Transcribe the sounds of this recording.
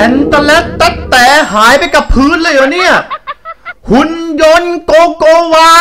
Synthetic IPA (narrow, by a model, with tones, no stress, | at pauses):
ɛ˨˧˥nt̪a˧lɛ˦˥t̪ːa˦˥t̪t̪ːɛː˨˦ɦaː˩˦jpa˧jka˨˩pʰːɯː˦˥nlɤː˧˩jaː˨˩ni˥˩ɐ | hu˧˥njo˧˥nkoː˧koː˧waː˧